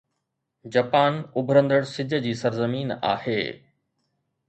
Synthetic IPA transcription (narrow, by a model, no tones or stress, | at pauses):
d͡ʑɐpaːnʊbʱɾə̃nd̪əɽsɪd͡ʑʱəd͡ʑiːsɐɾzəmiːna̰ːhḛː